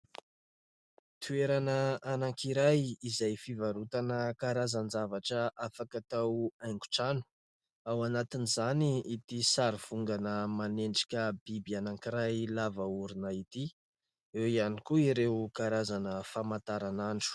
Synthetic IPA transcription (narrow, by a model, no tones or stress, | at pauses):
t̪ʰueɾanəanaŋkiɾajizajfivaɾut̪anəkaɾazand͡zavaʈ͡ʂəʔafakat̪awaŋku̥ʈ͡ʂanu̥ | awanat̪inizaniit̪isaɾiv̥uŋɡanəmaneɳɖ͡ʐi̥kʲəb̥ibianaŋkiɾajlavauɾunəit̪i | ewianikuiɾewkaɾazanəfamant̪aɾanaɳɖ͡ʐu̥